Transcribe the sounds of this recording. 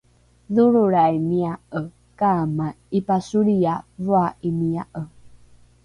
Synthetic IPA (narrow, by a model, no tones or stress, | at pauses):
ðuɾuɾaimiaʔə | kama | ipasuɾiavuaʔimiaʔə